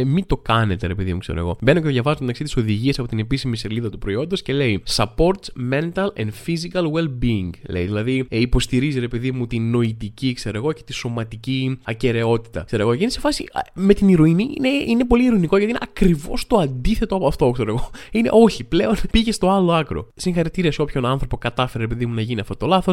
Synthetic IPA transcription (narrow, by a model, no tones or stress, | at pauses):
mit̪o̞kɐne̞t̪e̞ɾepeðḭmukseɾoḛɣo̞̰be̞nocetoðʝɐvɐzomet̪ɐksit̪iso̞ðiʝiesɐpo̞t̪ine̞pisimiseɾliðɐt̪upɾo̞io̞nd̪o̞sce̞le̞isɐpo̞ɾt̪sme̞nt̪ɐlḛnd̪fizikɐlwelbiːŋɡlḛjðilɐðiipo̞st̪iɾiziɾe̞peðimut̪ino̞it̪icikse̞ɾoeɣo̞ce̞̥t̪iso̞mɐt̪iciɐce̞ɾe̞o̞t̪i̥t̪ɐ̰kse̞ɾoɣo̞cinesefɐsime̞t̪iniɾoiniineine̞po̞liːɾoiniko̞ʝɐt̪inḛɐkɾivo̞̰st̪o̞ɐnd̪iθe̞t̪oɐpɐft̪ookseɾoɣo̞inḛʔo̞çiple̞o̞npiʝe̞st̪o̞ɐlo̞ɐkɾo̞̰siŋxɐɾit̪iɾiɐso̞pço̞nɐnθɾo̞po̞kɐt̪ɐfeɾeɾepe̞ðimunɐʝiniɐft̪o̞t̪o̞lɐθo̞s